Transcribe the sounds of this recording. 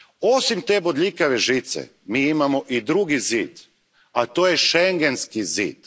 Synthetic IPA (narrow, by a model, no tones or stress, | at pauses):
osimt̪e̞bod̪ʎʲikaʋeʒit̪sḛ | miːimamo̞ʔid̪ɾuɡiziːd̪̥ | at̪oːjeʃeŋɡe̞nskizḭːd̪̥